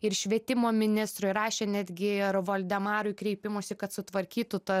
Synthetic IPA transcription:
ɪɾʃʲʋʲiɛt̪ʲɪmoːmʲɪnʲɪst̪ɾʊɪrɑːʃʲeːnʲæːd̪ʲɡʲɪɪɾʋoːlʲd̪ʲɛmɑːɾʊɪkɾʲɛɪpʲɪmoːsʲɪkɐt̪sʊt̪ʋɐɾʲkʲiːt̪ʊt̪ɐ

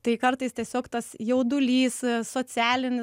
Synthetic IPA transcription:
t̪ɐɪkɐɾt̪ɐɪst̪ʲiɛsʲoːkt̪ɐsjɛʊd̪ʊlʲiːssoːt͡sʲæːlʲɪnʲɪ

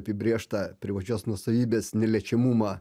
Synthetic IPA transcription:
pʲɪbʲɾʲeːʃt̪ɑpʲɾʲɪʋɐt͡ʃʲoːsnuɔsɐʋʲiːbʲeːsnʲɛlʲɛt͡ʃʲɛmuːmɑː

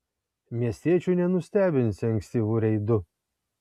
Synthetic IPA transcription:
mʲiɛsʲt̪ʲiɛt͡ʃʲuːnʲɛnʊsʲt̪ʲæːbʲɪnʲsʲɪɐ̃ŋʲksʲt̪ʲiːʋuɾʲɛɪd̪ʊ

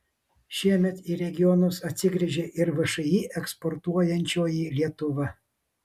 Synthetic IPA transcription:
ʃʲiɛmʲɛt̪iːɾʲɛɡʲɪjɔnʊsɐt̪ʲsʲɪɡɾʲɪʒʲeːʔɪɾʋɐʃɐiʔɛkspɔɾt̪uɔjɛnʲt͡ʃʲoːjilʲiɛt̪ʊʋɐ

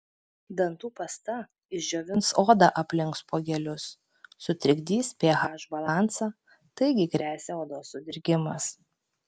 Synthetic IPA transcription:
d̪ɐnt̪uːpɐst̪ɐ | ɪʒd͡ʒʲoːʋʲɪnsoːd̪ɑʔɐpʲlʲɪŋkspoːɡʲɛlʲʊsː | ʊt̪ʲɾʲɪɡʲd̪ʲiːspʲeɛɦɑːʒbɐlˠɑˑnt̪sɑ | t̪ɐɪɡʲɪɡɾʲæːsʲɛoːd̪oːsːʊd̪ʲɪɾʲɡʲɪmɐs

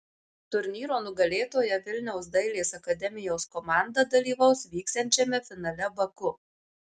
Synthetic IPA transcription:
t̪ʊɾʲnʲiːɾoːnʊɡɐlʲeːt̪oːjɛʋʲɪlʲnʲɛʊsd̪ɐɪlʲeːsɐkɐd̪ʲɛmʲɪjoːskɔmɑˑnd̪ɐd̪ɐlʲiːʋɐʊsʋʲiːkst̪ɛnʲt͡ʃʲɛmʲɛfʲɪnɐlʲɛbɐkʊ

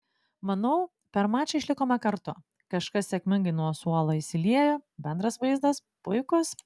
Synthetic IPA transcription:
mɐnɐʊ | pʲɛɾmɑːt͡ʃʲɛɪʃʲlʲɪkoːmʲɛkɐɾt̪ʊ | kɐʃkɐsʲsʲɛkʲmʲɪŋɡɐɪnuɔsuɔlˠoːɪsʲɪlʲiɛjoːbʲɛnd̪ɾɐsʋɐɪzd̪ɐspʊɪkʊs

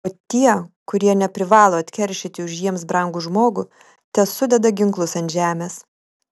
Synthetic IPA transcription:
oːt̪ʲiɛkʊɾʲiɛnʲɛpʲɾʲɪʋɑːlˠoːɐt̪ʲkʲɛɾʲʃʲɪt̪ʲɪʊʃjiɛmsbɾɐŋɡʊʒmoːɡʊ | t̪ʲɛsʊd̪ʲɛd̪ɐɡʲɪŋklˠʊsɐnt̪ʲʒʲæːmʲeːs

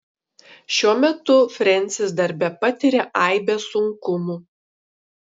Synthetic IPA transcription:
ʃʲuɔmʲɛt̪ʊfʲɾʲɛnʲt̪sʲɪsd̪ɐɾʲbʲɛpɐt̪ʲɪɾʲɛʔɐˑɪbʲɛsʊŋkʊmuː

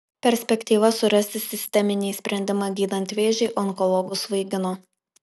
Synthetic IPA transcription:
pʲɛɾʲsʲpʲɛkʲt̪ʲiːʋɐsʊɾɐsʲt̪ʲɪsʲɪsʲt̪ʲɛmʲɪnʲiːsʲpʲɾʲɛnʲd̪ʲɪmɑːɡʲiːd̪ɐnʲt̪ʲʋʲeːʒʲɛɪʔɔŋkɔlˠɔːɡʊsʋɐɪɡʲɪnoː

